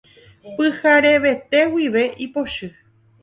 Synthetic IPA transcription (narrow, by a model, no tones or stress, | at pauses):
pɨhaɾe̞ʋe̞t̪e̞wiʋe̞ʔipo̞ʃɨ